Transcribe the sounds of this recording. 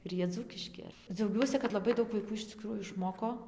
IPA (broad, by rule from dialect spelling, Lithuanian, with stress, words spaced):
ɪr ˈjiɛ ˈd͡zuːkʲɪʃʲkʲɪ d͡zʲɛʊˈɡʲuɔsʲɪ kɐt lˠɐˈbɐɪ ˈdɐʊk ʋɐɪˈkuː ɪʃ t͡sʲɪˈkruːjuː ɪʃˈmoːkoː